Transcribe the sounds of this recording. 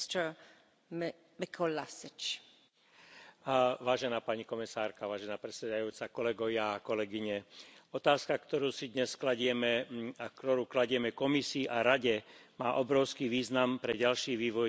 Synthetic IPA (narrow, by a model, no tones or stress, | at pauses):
t̪ə | mikʰɔlasɪt͡ʃ | ʋaːʒɛnaːpaɲikɔmisaːɾkaʋaːʒɛnaːpɾɛsɛd̪ajuːt͡sakɔlɛɡɔʋɪakɔlɛɡiɲɛɔt̪aːskakt̪ɔɾuːsid̪ɲɛsklaɟɪɛmɛakt̪ɔɾuːklaɟɪɛmɛkɔmisiːʔaɾaɟɛmaːʔɔbɾɔʊskiːʋiːznampɾɛɟalʃiːʋiːʋɔj